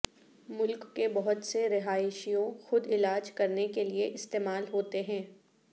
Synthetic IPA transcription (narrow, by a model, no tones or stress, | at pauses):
mʊlkːebɐɦʊt̪seɾɪɦaːɪʃijõxʊd̪ɪlaːd͡ʒkɐɾnekelieʔɪst̪eːmaːlɦoːt̪eɦɛ̃ː